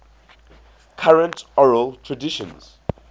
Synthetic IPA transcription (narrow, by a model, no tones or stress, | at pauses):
kʰaɹə̃ntɔɹəltʰɹadiʃɔ̃nz̥